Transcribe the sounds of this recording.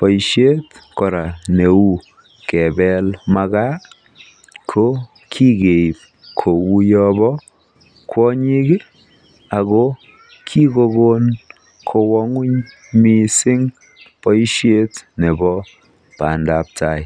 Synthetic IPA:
pɔ˨jʃje˦tkɔ˨ɾa˨ne˨u˦ | kɛ˨bɛlma˧ɡa˦ | kʰo˦ | kʰi˦ɡe˨p̚ | kʰo˨wu˦jɔ˦bɔ˦ | kʰwɔ˦ɲi˦ɡe˦ | a˨ɣo˦ | kʰi˦ko˧ɡo˦n | kʰo˧wɔ˦ŋu˦ɲ | mi˦sɪ˦ŋ | pɔ˦jʃje˦tne˨bɔ˦ | pa˨ndap̚ta˨j

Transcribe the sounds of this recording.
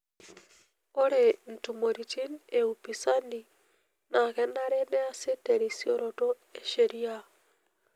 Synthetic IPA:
o˦ɾe˨n̩˨tu˨mo˨ɾi˨t͡ʃi˦neupi˨sa˦ni˨ | na˨ɣɛ˦na˦ɾe˦nɛ˦a˦se˦tɛɾi˨sio˦ɾɔtɔ˦ | e˦ʃe˨ɾi˦a

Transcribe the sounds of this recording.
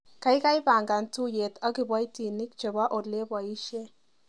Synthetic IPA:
ka˦jka˦jpa˨ŋɡa˨ntu˦je˨ta˦ki˨bwa˦jti˨ni˦k̚t͡ʃe˨bwa˦ʔo˨le˦ba˨i˦ʃe˦

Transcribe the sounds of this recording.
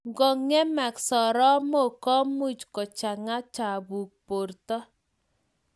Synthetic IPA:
ŋɡɔ˨ŋːɛ˦ma˨ksɔ˨ɾɔ˦mo˦˨kɔ˦mu˦t͡ʃkɔ˨t͡ʃa˨ŋa˦t͡ʃa˨bu˨k̚po˨rtɔ˦

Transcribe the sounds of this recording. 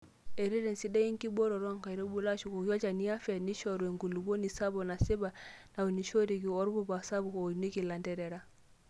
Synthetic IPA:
e˨ɾi˦ɾe˨nsi˦da˦i˦ŋ˦ki˦bɔ˦ɾɔ˨ɾɔ˦ŋka˨i˨ɾe˦bu˦la˦ʃu˨ko˨kɔ˦t͡ʃa˨ni˦a˦fɛ˨ni˦ʃɔ˦˨ɾe˨ŋɡu˨lu˨bo˦ni˨sa˦bɔ˨na˨si˦ba˨na˨wo˨ni˨ʃo˦ɾi˨ki˨ɔ˦ɾbɔ˦ba˨sa˦bu˨ko˨ni˦ki˨la˨ndɛ˦ɾɛ˨ɾa˦

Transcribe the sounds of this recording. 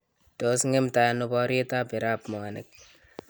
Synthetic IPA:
to˨sŋe˦mta˨nʊ˦ba˦ɾe˦ta˦pi˨ɾa˦pmo˨ŋa˨ne˨k̚

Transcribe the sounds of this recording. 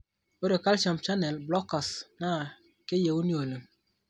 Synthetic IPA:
o˦ɾe˨ka˦lt͡ʃa˨mt͡ʃa˦nɛ˨lblɔ˦ka˨sna˦˨ | ke˦je˨wu˦ni˦o˨lə˨m

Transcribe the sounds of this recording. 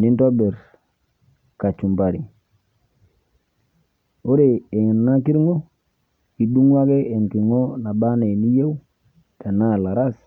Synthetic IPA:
ni˦nto˦be˨ɾ | ka˨t͡ʃu˨mba˨ɾi˨ | o˦ɾe˨e˨ŋ˨nna˦ki˦ɾŋo˦ | i˨du˦ŋwa˦ɡe˦e˨ŋki˨ɾŋo˦na˨ba˦ne˨ni˦je˦u˦ | ta˨na˦˨la˨ɾa˦s

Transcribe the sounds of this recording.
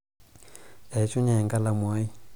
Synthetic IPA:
ja˨i˨t͡ʃɔ˦ɲa˨ɛ˨ŋɡa˦la˨mwa˦i˦

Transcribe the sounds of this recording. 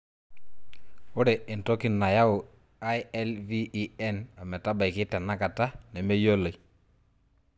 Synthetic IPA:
ʊ˦ɾɛ˨ɪ˨ntɔ˦kɪ˨nːa˨ja˦ʊ˨ | a˦jɛ˦lviː˦ɛ˦na˨mɛ˨ta˦ba˨kɪ˦tɛ˨nːa˦ka˨ta˦nɛ˨me˦jo˦lo˨j

